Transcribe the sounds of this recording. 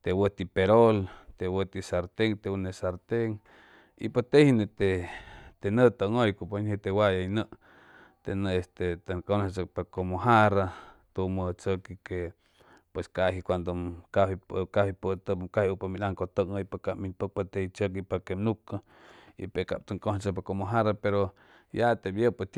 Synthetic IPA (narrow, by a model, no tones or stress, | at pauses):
t̪ewət̪ipeɾolt̪ewət̪isaɾt̪eŋt̪eunesaɾt̪eŋ | ḭpot̪ehinet̪et̪enət̪əŋojkoponhet̪ewajajnəʔ | t̪enəest̪et̪akont͡sək̚pakomoɦaɾat̪umət͡səkike | pweskaɦikʷand̪okahikahipət̪əkahupaminaŋkot̪əŋəipakaʔminpək̚pat̪eit͡ʃək̬ipakemnukə | ḭpeka̰p̚t̪əŋkoht͡ʃəp̬akomoɦaɾapeɾo | jat̪ebjəpət̪